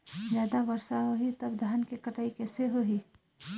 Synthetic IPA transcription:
zjaːd̪abəɾsaɦoɦit̪ɐbd̪ʱaːnkekəʈaːikɛːseɦoɦiː

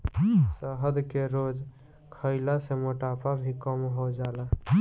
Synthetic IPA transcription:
səɦəd̪keɾod͡ʒ | kʰəɪlaseməʈaːpabʱikəmɦod͡ʒala

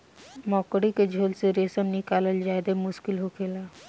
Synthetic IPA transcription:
mɔːkɽiked͡ʒʱoːlseɾeːsəmnɪkaːləld͡ʒaːed̪emʊʃkɪlɦokʰeːla

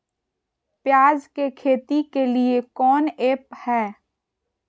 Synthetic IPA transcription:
pjaːzkekʰeːt̪ikeliekɔːneːphɛː

